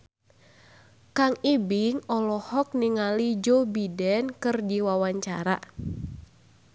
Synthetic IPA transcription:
kaŋibiŋɔlɔhɔk̚niŋalid͡ʒɔbidɛnkɨrdiwawaɲt͡ʃa̰ɾa̰

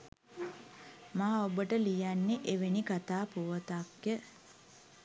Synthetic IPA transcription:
maːobəʈəlijanːeʔeʋenikat̪aːpuʋət̪akjə

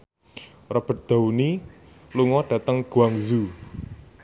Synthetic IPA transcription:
rəb̥ə̤t̪̚d̪̥a̤uni | luŋɔɖ̥ä̤t̪əŋɡ̥uaŋzu

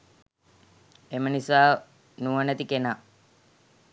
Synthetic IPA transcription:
emənisaː | nuənət̪ikena

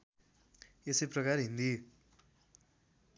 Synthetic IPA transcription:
esejprʌkarɦind̪i

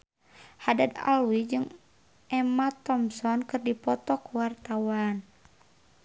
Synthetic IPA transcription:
hadad̪a̰lwid͡ʒɨŋ | ɛmat̪ɔmsɔnkɨrdipɔt̪ɔkuwart̪awan

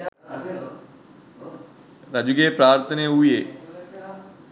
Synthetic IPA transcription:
ɾəd͡ʒʊɡeːpɾaːɾt̪ʰəneːɦʊeː

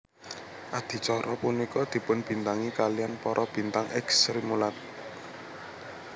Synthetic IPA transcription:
ʔad̪̥i̤t͡ʃɔɾʔɔpunikɔd̪̥i̤pʊnb̥i̤nt̪aŋikalijanpɔɾʔɔb̥i̤nt̪aŋɛksɾimulat̪̚

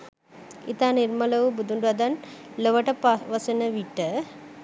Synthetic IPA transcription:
ḭt̪aːniɾmɐlɐʋubud̪uɳɖɐd̪ɐnlɐʋɐʈɐpɐʋɐsɐnɐʋiʈːɐ

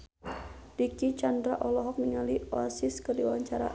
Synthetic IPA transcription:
dikit͡ʃandɾaʔɔlɔɦɔk̚niŋaliɔasɪskərdiwawaɲt͡ʃaɾa̰

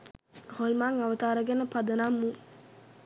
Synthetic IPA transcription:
holmaŋaʋət̪aːɾəɡɛnəpad̪ənamːu

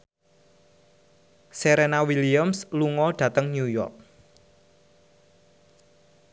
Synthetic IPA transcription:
seɾenawiliamsluŋɔɖ̥ä̤t̪əŋɲujɔ̰rk̚

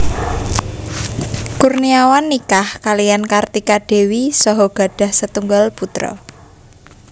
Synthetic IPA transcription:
kurniawanːikahkalijankart̪ikaɖ̥e̤wisɔɦɔɡ̥a̤ɖ̥a̤hsət̪uŋɡalput̪ɾɔ̰

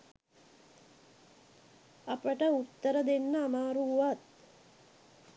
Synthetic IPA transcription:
ɐpəʈəut̪ːəɾəd̪enːəːmaːɾuːʋat̪̚

